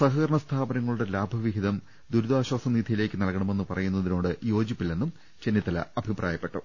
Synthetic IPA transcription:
sɐɦɐkɐɾɐɳɐst̪ʰaːbɐnɐŋːɐɭuɽe̞laːbʱɐʋiɦiðɐm | d̪uɾud̪aːɕwaːsɐmniːd̪ʱijile̞ːkʲːɨnɐɭkːɐɳɐme̞nːɨpɐrɐjunːɐðino̞ːɽɨjo̞ːd͡ʑipːilːe̞nːum | t͡ɕe̞nːit̪ːɐlɐ̰ɐbʱiprʔa̰ːjɐpːe̞ʈːṵ

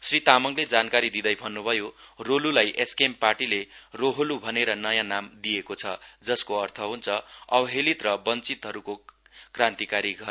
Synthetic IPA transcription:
srit̪amʌŋled͡zankaɾid̪id̪ʌjbʱʌnːubʱʌjorolulajʔeskempaʈileroɦolubʱʌneɾʌnʌjãnamd̪ijekot͡sʰʌ̰d͡zʌskoʌrt̪ʰʌɦunt͡sʰʌʌbɦelit̪rʌbʌnt͡sit̪ɦʌɾukokrãnt̪ikaɾiɡʱʌ

